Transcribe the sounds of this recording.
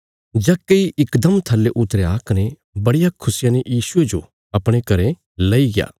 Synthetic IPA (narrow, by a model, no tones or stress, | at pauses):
d͡ʒɐkːeiʔɪkd̪ɐmt̪ʰɐlːeʔʊt̪ːɾeaːkɐne | bɐɽɪjakʰʊsɪjãnejiːsʊed͡ʒo | ɐpɽ̃ekɐɾe | lɐiɡɪja̰ː